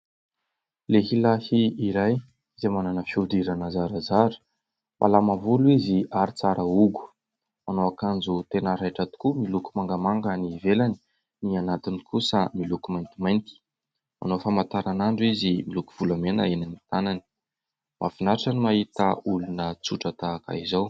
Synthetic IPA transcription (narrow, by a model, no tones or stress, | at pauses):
leɦilahiːɾaj | zemananəfiud̪iɾanazaɾazaɾu̥ | mʔa̰lamavuluiziʔaɾit͡saɾəuɡu̥ | manoakand͡zut̪enaɾajʈ͡ʂat̪u̥kumilukumaŋɡamaŋɡənivelani̥ | nianat̪inikusəmilukumajnt̪imajnt̪i̥ | ma̰nofamat̪aɾanaɳɖ͡ʐuizimilukuv̥ulamena̰enanit̪anani̥ | mʔa̰finaʈ͡ʂanimaɦit̪əulunət͡suʈ͡ʂət̪aːka̰izaw